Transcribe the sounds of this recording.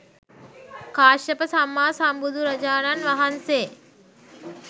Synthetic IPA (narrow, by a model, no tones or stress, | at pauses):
kaːʃəpəsamːaːsambud̪ʱuɾɐd͡ʒaːɾanʋaɦanseː